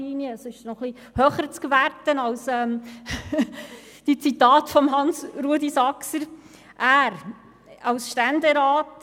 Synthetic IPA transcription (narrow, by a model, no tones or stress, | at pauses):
iːniəːsɪʃnɔχli | hœːχəɾt͡skvæɾtənɑwsɛm | d̥it͡sitɑːtfɔmɦɑnsɾuədisɑksəɾ | ʔæːɾ | ɑwsʃtændəɾaːt